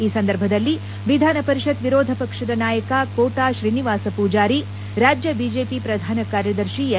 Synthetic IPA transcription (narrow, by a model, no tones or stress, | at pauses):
iːsɐnd̪ɐɾbʱɐd̪ɐlːi | ʋid̪ʱaːnɐpɐɾiʃɐt̪ʋiɾoːd̪ʱɐpɐkʂɐd̪ɐnaːjɐkakoːʈaːʃɾiːniʋaːsɐpuːd͡ʒaːɾi | ɾaːd͡ʒjɐbiːd͡ʒeːpipɾɐd̪ʱaːnɐkaːɾjɐd̪ɐɾʃi